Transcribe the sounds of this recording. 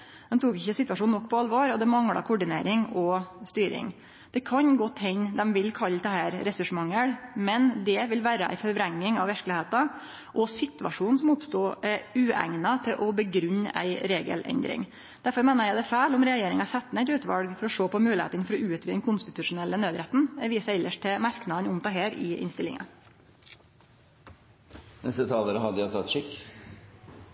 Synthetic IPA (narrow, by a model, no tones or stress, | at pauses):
d̪̥ɛmt̪ʰuːkɪçːəsɪt̪ʋɑʂuːnɔkːpʰɔɑlʋoːɾɔd̪ɛmɑŋɽɑ̰kʰʊɖɪnḛːɾɪŋɔst̪yːɾɪ̰ŋ | d̪̥ɛkʰɑnɡɔt̪ːhɛnd̪ɛmʋɪlkʰɑlːd̪ɛhæːɾɾɛsʉʂmɑŋːəɽmɛnd̪ɛʋɪlʋæːɾəʔæ̰ɪfɔɾʋɾɛŋːɪŋɑʋæɾklɪheːt̪ɑ | ʔɔsɪt̪ʋɑ̰ʂuːnnsɔmɔpst̪uːɛɾʉːæ̰ŋnət̪ʰɪlʔɔbəɡɾʉn̰ːæ̰ɪɾeːɡə̰lʔɛ̰nd̪ɾɪ̰ŋ | d̪̥æɾfɔɾmeːnəɾjæɪd̪ɛfæːlʊmɾɛɑjeːɾɪŋɑsɛt̪ːnæɛɪt̪ʉːt̪ʋɑ̰lɡfɔɾɔʂoːpɔmʉːlɪhḛt̪əɪnfɔɾɔʉːt̪ʋiːd̪ɛnkʰʊnst̪ɪt̪ʉʂʊnɛlːənøːd̪ɾɛt̪n̩ʋiːsæɪɪlːəʂʈt̪ʰɪmɑɾknɑd̪nʊmt̪ɑːɦeːɾɪ̰ʔɪ̰nst̪ɪlɪŋɑ̰ | nɛst̪ət̪ʰɑːləɾəɦɑd̪ːəjɑt̪ʰɑt̪ːʂɪkː